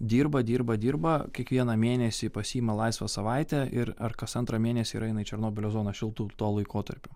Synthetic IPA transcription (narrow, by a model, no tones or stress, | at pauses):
d̪ʲiːɾbɐd̪ʲiːɾbɐd̪ʲiːɾbɐkʲiɛkʋʲiɛnɐmʲeːnʲɛsʲɪpɐsʲiːimɐlˠɐɪsʋɐsɐʋɐɪt̪ʲɛʔɪɾɐrkɐsɐnt̪ɾɐmʲeːnʲɛsʲɪiɾɐɪnɐɪt͡ʃʲɛɾnoːbʲɪlʲoːzoːnɐʃʲɪlˠt̪uːt̪uɔlˠɐɪkoːt̪ɐ̰ɾʲpʲʊ